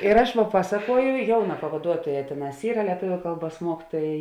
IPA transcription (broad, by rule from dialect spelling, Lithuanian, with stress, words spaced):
ɪr ɐʃ ˈʋɐ ˈpɑːsɐkuɔjʊ ˈjɛʊˌnɑː pɐʋɐˈduɔtuɔˌjæː ˈtʲeːˌnɑːs ˈiːrɐ lʲiɛˈtʊʋʲʊ ˈkɐlˠˌbuɔs ˈmuɔkʲɪtuɔjɛ